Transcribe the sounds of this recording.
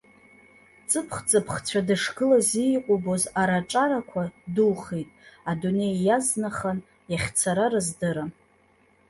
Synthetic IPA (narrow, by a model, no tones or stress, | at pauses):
t͡sʼɨpʰχt͡sʼɨpʰχt͡sʷʰadɨʂɡɨlazijqʷʼobozaɾaʈ͡ʂʼaɾakʷʰadɨlχejtʼadune̞jːaznaχan | jaχʲt͡sʰaɾaɾɨzdɨɾa